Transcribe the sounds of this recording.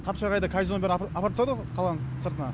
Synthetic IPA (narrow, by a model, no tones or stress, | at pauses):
t̪ʰɑpʃɑɾʁɑjd̪əkʰajzonbeɾɑpɑɾt̪sɑd̪əqʰɑlˠɑnəsəɾt̪ənɑ